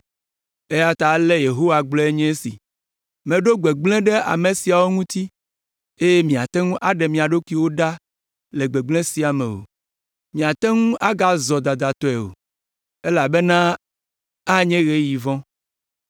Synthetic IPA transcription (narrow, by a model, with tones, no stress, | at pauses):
e˦ja˦t̪a˨˦lɛ˦je˨ɦo˦wa˨ɡ͡blɔ˦e˦ɲɛ̃˦sḭ˨ | mẽ˨ɖo˦ɡ͡be˨ɡ͡blɛ̃˦ɖɛ˦ʔa̰˨me˨si˨a˨wo˦ŋũ˦t̪i˦ | e˦je˦mĩ˨a˨t̪ɛ˦ŋũ˦ʔa˦ɖɛ˨mĩ˨a˨ɖo˦ki˦wo˦ɖa˦ | le˨ɡ͡be˨ɡ͡blẽ˦si˨a˨mḛ̃˨wo̰˨ | mĩ˨a˨t̪ɛ˦ŋũ˦ʔa˦ɡa˦zɔ˨d̪a˨d̪a˨t̪ɔ˦ɛ˨o̰˨ | e˦la˨be˦nã˦ | a˦ɲɛ̃˦ɣe˦ji˨vɔ̃˦